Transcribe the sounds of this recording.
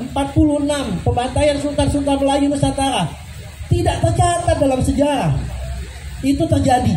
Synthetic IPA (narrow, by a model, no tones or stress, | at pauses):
əmpat̪̚puluhənampəmbant̪ajansunt̪arsunt̪̬aməlajuməsat̪aɾa | t̪idaʔt̪ərt͡ʃat̪adalamsəd͡ʒaɾah | it̪ut̪ərd͡ʒadi